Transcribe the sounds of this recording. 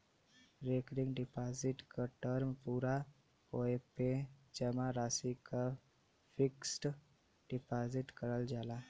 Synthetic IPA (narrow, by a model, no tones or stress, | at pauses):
ɾekɾiŋɡɖipaziʈkəʈəɾmpuɾa | pɔjeped͡ʒɛmaɾasika | fiksʈ | ɖipaziʈkəɾəld͡ʒala